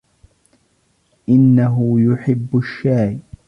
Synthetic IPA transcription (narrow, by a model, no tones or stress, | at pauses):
ʔɪnːaɦʊjʊħɪbːʊʃːaːj